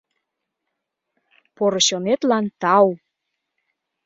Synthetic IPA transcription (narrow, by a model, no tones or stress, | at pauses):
poɾoɕonet̪lɑnt̪ɑw